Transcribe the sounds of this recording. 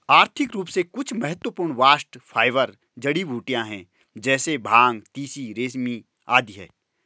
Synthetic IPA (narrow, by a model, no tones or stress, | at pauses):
aːɾt̪ʰɪkɾuːpsekʊt͡ʃʰmɐɦət̪wəpuːɾɳʋaːsʈfʰaːɪʋəɾ | d͡ʒɐɽiʋuːʈijãɦɛ̃ː | d͡ʒɛːsebʱaːŋɡt̪iːsiɾeːsmi | a̰ːd̪iɦɛ̰ː